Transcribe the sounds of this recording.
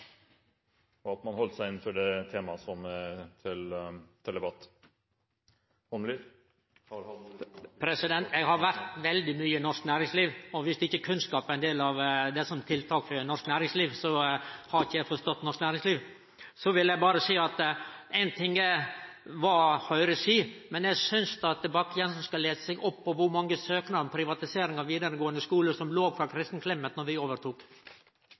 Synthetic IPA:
ɔɑt̪mɑnhɔlt̪sæɪɪnːfɔɖɛt̪ʰeːmɑsɔmæt̪ʰɪlt̪ʰɪld̪ɛbɑt̪ː | hɔnmli | pʰɾɛsɪd̪ɛnt̪jɛɡɦɑɾʋæɾt̪ʋɛld̪ɪmyːənɔʂknæːɾɪŋsliːʋɔʋɪsd̪ɛɪçːəkʰʉnskɑːpænd̪eːlɑʋd̪ɛsɔmt̪ʰɪlt̪ʰɑːkfœnɔʂknæːɾɪŋsliːʋsɔhɑɾɪçəjæɪfɔst̪ɔt̪ːnɔʂknæːɾɪŋsliːʋ | sɔʋɪljæɪbɑːɾəsiːɑt̪ɛɪnt̪ʰɪŋə | ʋɑhœʏɾəsiːmɛnjæsʏnst̪ɑt̪ɛbɑkːəjɛnsɔmskɑleːsə̥sɛɡɔpːɔʋʊɾmɑŋːəsøːknɑɾmpʰɾɪʋɑt̪ɪseːɾɪŋɑʋiːd̪əɾəɡoːənd̪əskuːləsɔmloːʋfɾɑkʰɾɪst̪n̩kʰlɛmːət̪nɔɾʋɪoːʋəɾt̪ʰuːk

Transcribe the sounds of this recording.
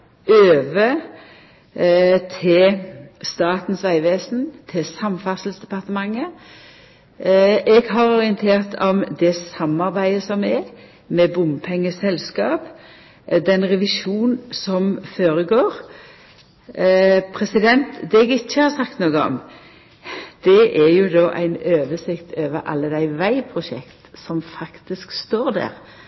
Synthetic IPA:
øːʋə | t̪ʰɪst̪ɑːt̪n̩sʋæɪʋeːsn̩t̪ʰɪsɑmfɑsəlsd̪ɛpɑʁt̪əmɑŋːə | ʔɛɡɦɑɾɔɾɪənt̪ʰeːʁt̪ʰɔmd̪ɛsɑmːɑɾbæɪəsɔmɛ | mɛbʊmpʰɛŋːəsɛlskɑːp | d̪ɛnʁɛʋɪʃuːnsɔmfoːɾəɡoːɾ | pʰɾɛsɪd̪ɛnt̪d̪ɛɛɡɪçːəhɑɾsɑkt̪noːɡəɔ̰m | d̪̥ɛʔɛjʊd̪oːʔæ̰ɪnøːʋəsɪkt̪ʰøːʋəɾʔɑ̰lːəd̪æɪʋæɪpʰɾʊʃɛ̰kt̪sɔmfɑkt̪ɪskst̪oːɾd̪æ̰ːʁ

